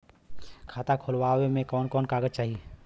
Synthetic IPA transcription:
kʰaːt̪akʰoːlwaːwemẽkɔːnkɔːnkaːɡət͡ʃaːɦie

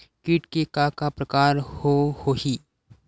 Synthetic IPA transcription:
kiːʈkekakapɾəkaːɾhohoːhiː

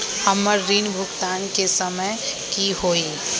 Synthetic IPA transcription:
hɐmːəɾːiːnbʱʊɡt̪aːnkesɐməjkiɦoːiː

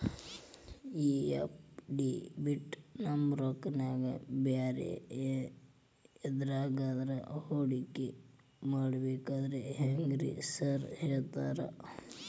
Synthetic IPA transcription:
iḛpɖibiʈnɐmɾoknaːɡɐbjaːɾḛ | ed̪ɾaːɡaːd̪ɾɐ̰hoːɽikːe | maːɽbeːkaːd̪ɾeɦeŋɡɾḭsɐɾheːɭt̪aːɾɐ̰

